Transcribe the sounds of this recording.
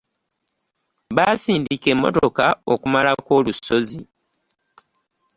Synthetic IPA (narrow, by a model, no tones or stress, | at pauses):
βaːsiːndike̞mːo̰to̞kao̞̰kumalako̞ːluso̞zi